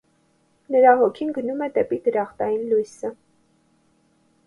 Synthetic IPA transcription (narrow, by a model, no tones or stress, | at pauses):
nəɾɑɦɔkʰinɡənumɛd̪ɛpid̪əɾɑχt̪ɑjinlujsə